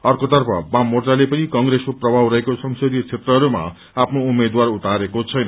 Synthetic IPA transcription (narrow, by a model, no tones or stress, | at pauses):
ʌrkot̪ʌrpʰʌ̰bamːorʈalepʌnikʌŋɡɾeskoprʌbʱawɾʌɦekosʌŋsod̪ijt͡sʰet̪rʌɦʌɾuma̰ | apʰnoumed̪warut̪aɾekot͡sʰʌjnʌ